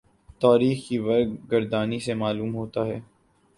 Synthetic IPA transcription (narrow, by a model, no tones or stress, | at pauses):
t̪aːɾiːxkiʋɐɾɡɡɐɾd̪aːnisemaːluːmɦoːt̪aɦɛː